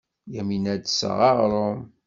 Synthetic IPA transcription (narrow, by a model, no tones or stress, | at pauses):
jæminæd̪sə̰ʁɑʁɾˤom